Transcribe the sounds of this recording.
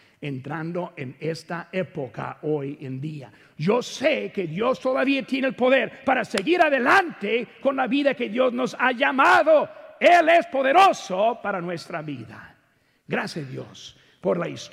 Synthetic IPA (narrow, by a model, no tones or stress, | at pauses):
ent̪ɾand̪oʔenest̪aepoka̰ojend̪ia̰ | josekeðjost̪oðaβiat̪jenelpo̞ðeɾpaɾaseɣiɾaðelant̪ekonlaβiðake̞ðjo̞zno̞saʝamaðoelespoðeɾosopaɾanwest̪ɾaβiða̰ | ɡɾasjaðjo̰s | poɾlaist